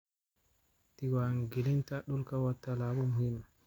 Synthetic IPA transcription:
tiɡwaŋɡelintaɗulkawatːalaːbɔmuhimːa

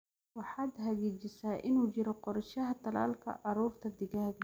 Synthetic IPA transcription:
wɑħɑːd̪ɦɐɣɛːd͡ʒɪsaːʔɪnuːd͡ʒɪɾɔqɔɾʃɐɦɐt̪ɐla̰ːlkʰɐ̰ʔɑɾuːrt̪ʰɐd̪ɪɣɐɦɡ

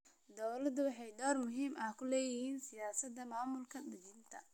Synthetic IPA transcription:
d̪ɔwlɐd̪ʊwɑħɑjɖ̪ɔːrmʊɦiːmɐhkʰʊlɛːjɪhiːnsɪjaːsɐd̪ɐmaːmʊlkʰɐd̪ɐd͡ʒɪnt̪ʰɐ̰

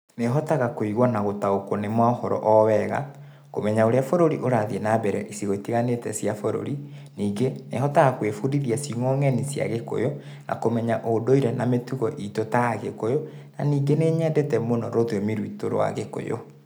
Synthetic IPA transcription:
neɦɔtaɣakoiɣwɔnaɣotaokonemwaohɔɾɔ̰ʔɔwɛɣa̰ | komɛɲaoɾeafoɾoɾiʔoɾaðiɛnabɛɾɛʔisiɣoitiɣanetɛsiafoɾo̰ɾi | niːɡenḛhɔtaɣakwefuɾiðiasiŋɔŋɛnisja̰ɣeko̰jo | nʔa̰komɛɲaʔodoiɾɛnametuɣɔʔitotaaɣekojo | na̰niːɡeneːɲɛːndɛtɛmonɔɾoðjɔmiɾwito̰ɾo̰wa̰ɣeko̰jo̰

